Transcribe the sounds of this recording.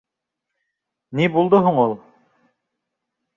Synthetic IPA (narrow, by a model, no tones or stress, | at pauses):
nibulˠd̪oɦuɴulˠ